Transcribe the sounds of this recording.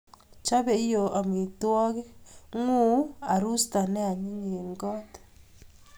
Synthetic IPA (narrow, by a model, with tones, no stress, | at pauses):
t͡ʃa˦βe˨i˦jo˨a˨mwi˨twɔ˦ɣɛ˦ŋu˦a˨ɾu˦sta˨ne˦a˨ɲi˦ɲe˨ŋɡɔ˦te̥˨